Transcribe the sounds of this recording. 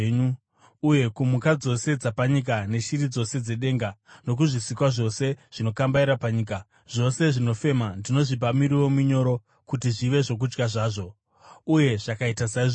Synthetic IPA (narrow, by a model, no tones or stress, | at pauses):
ɲu | uje̞kumukad͡zo̞se̞d͡zapaɲik̬ane̞ʃiɾid͡zo̞se̞d͡ze̞ɗe̞ːŋɡano̞k̬uʐisikwaʐo̞se̞ʐ̥ino̞kambaiɾapaɲiːka | ʐ̥o̞se̞ʐino̞fe̞mandino̞ʐipamiɾiwo̞muɲo̞ɾo̞ | kutiʐiʋe̞ʐo̞k̬ud͡ʒɡaʐaːʐo̞ | uje̞ʐ̥akaitasaiʐ